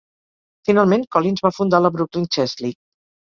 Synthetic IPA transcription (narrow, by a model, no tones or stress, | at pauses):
finalˠmeŋkɔlinzβafund̪aləβɾuklint͡ʃɛzlik̚